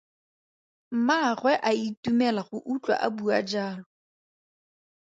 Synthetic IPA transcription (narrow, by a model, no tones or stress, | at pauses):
m̩maχwɛʔaitumɛlaχʊʔut͡ɬʼwa̰ʔa̰bua̰d͡ʒaːlɔ